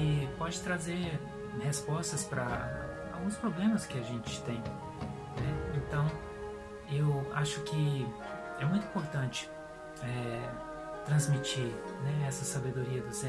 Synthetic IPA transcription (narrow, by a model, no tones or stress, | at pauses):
ɪpɔd͡ʒɪt̪ɾazeɾ | hespɔst̪ɐspɾɐ | a̰wɡũspɾoblẽmɐskɪaʒẽnt͡ʃɪ̥t̪ẽj̃ | nɛẽnt̪ɐ̃w̃ | ewaʃʊkɪ | ɛmũj̃t̪ʊ̃ĩpoɾt̪ɐ̃nt͡ʃɪ̥ | ɛ | t̪ɾɐ̃zmit͡ʃiɾnɛɛsɐsabed̪oɾiɐd̪ʊsẽ